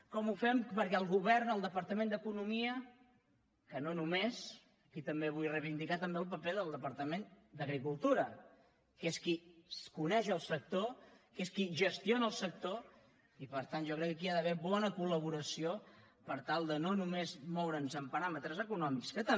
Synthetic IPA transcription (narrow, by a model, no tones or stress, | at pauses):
kɔmufɛmpəɾkɛəlˠɣuβɛrnəlˠd̪əpəɾt̪əmẽnd̪əkunumiə | kənonumes | əkit̪əmbeβ̞ujrəβind̪ikat̪əmbeəlˠp̬əpeðəlˠd̪əpəɾt̪əmen | d̪əɣɾikulˠt̪uɾə | keskiskunɛʃəlˠsək̚t̪okeskiʒəst̪ionəːlˠsək̚t̪o | ipəɾt̪anʒɔkɾɛkːəkiaðəβeβɔnəkuləβ̞uɾəsio | pəɾt̪alˠd̪ənonumezmɔwɾənzəmpəɾamət̪ɾəzəkunɔmikskət̪ə